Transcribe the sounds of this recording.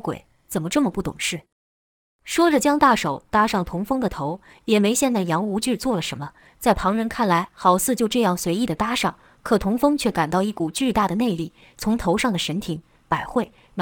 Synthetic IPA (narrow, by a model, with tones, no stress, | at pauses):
kwḛ˨˩˦ɪ | t͡sə˨˩nmə˦ʈ͡ʂɤ˥˩mə˩pu˥˩t̪ʊ̰˨˩ŋʂɻ̩˥˩ | ʂwɔ˥ʈ͡ʂə˨˩t͡ɕjɑ˥ŋt̪a˥˩ʂo˨˩ʊt̪a˥ʂɑ˥˩ŋt̪ʰʊ˧˥ŋfɤ˥ŋd̪ə˨t̪ʰo˧˥ʊ | jɛ˨˩me˧˥ɪɕjɛ˥˧nt͡sa˥˩ɪjɑ˧˥ŋu˧˥t͡ɕy˥˧t͡swɔ˥˩lə˩ʂə˧˥nmə˧ | t͡sa˥˩ɪpʰɑ˧˥ŋɻə˧˥nkʰa˥˩nla˧˥ɪxɑ˨˩ʊt͡sʰɹ̩˥˧t͡ɕjo˥˧ʊʈ͡ʂɤ˥˧jɑ˥˩ŋswe˧˥ɪi˥˩d̪ə˩t̪a˥ʂɑ˥˩ŋ | kʰɤ˨˩t̪ʰʊ˧˥ŋfɤ˥ŋt͡ɕʰɥɛ˥˩ka˨˩nt̪ɑ˥˧ʊi˥˩ku˨˩t͡ɕy˥˧t̪a˥˩d̪ə˩ne˥˧ɪli˥˩ | t͡sʰʊ˧˥ŋt̪ʰo˧˥ʊʂɑ˥˩ŋd̪ə˩ʂə˧˥nt̪ʰi˧˥ŋ | pa˨˩ɪxwe˥˩ɪ | n